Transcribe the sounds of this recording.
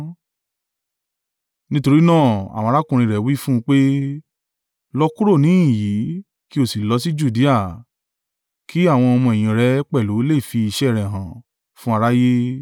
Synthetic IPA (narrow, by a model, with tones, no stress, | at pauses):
nĩ˦to˧ɾi˦nãː˦˨a̰˨w̃ɔ̃˧ɾa˦kũ˨ɾ̃ĩ˧ɾɛ˨wi˦fũ˦˧k͡pe˦ | lɔ˦ku˦ɾo˦˨nĩ˨˦ĩ˦˨ji˨˦ | ki˦o˦˨si˨lɔ˨˧˦si˦d͡ʒu˦˨di˨˦a˦˨ | ki˨˦a˦˨w̃ɔ̃˧ɔ˧mũ˧ɛ˨j̃ĩ˨ɾɛ˨˦k͡pɛ˦˨lu˨˦le˦˨fi˧i˧ʃɛ˦˨ɾɛ̃˨ɦã˨ | fũ˦a˧ɾa˦je˦